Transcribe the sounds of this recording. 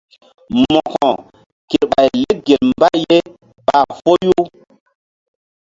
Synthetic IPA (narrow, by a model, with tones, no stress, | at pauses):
mɔ˨kɔ̃˨ | ke˨ɾɓa˨jle˦ɡe˨lmba˦je˦ | ɓa˨fo˦ju˦